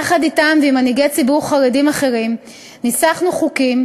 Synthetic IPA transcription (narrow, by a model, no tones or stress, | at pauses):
aχaditamveimaniɡet͡sibuʁχaʁedimaχe̞ʁim | nisaχnuχukim